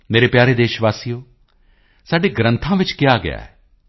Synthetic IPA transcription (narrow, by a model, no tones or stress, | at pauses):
meːɾepjaːɾed̪eːʃʋaːsijoː | saːɖeɡɾə̃nt̪ʰãʋɪt͡ʃkɪjaɡɪ̰ja̰ːɦɛː